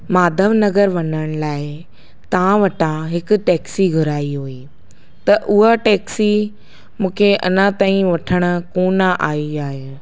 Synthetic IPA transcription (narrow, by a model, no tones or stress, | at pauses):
maːd̪ʱəʋnɐɣəɾʋɐɲəɽ̃laːɪ | t̪ɐãʋɐʈʰãɦɪkʊ̆ʈɛːksiɡʱʊɾaːiɦoːiː | t̪ɐʔʊɦaʈɛːksi | mũːkʰeʔɐ̰nãt̪aːĩʋɐʈʰəɽ̃ʊ̆koːnaʔaːiaːɦe